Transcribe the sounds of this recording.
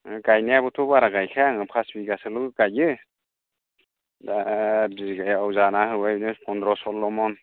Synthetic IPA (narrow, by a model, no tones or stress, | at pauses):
ɡajniabɯtʰɔbaɾaɡajkʰajaŋɯpʰasbiɡasɯlɯɯɡajɯ | dabiɡajawzanahɯwajnɯpʰɔndɾɔsɔlːɔmɔn